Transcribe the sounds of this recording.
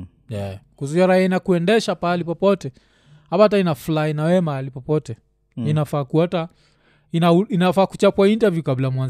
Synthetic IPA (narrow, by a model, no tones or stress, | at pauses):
jɛkuzuiaɾaiainakuɛndɛʃapalipɔpɔtɛ | hapaat̬ainafulainawɛmalipɔpɔtɛ | inafaːkuata | inainafaːkut͡ʃapwaintavjukablajmwanz